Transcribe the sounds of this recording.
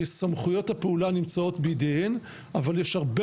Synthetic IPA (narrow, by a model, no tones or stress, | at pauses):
samχujo̞thapeulanimt͡sao̞tbed̪een | avaljeʃhaʁbe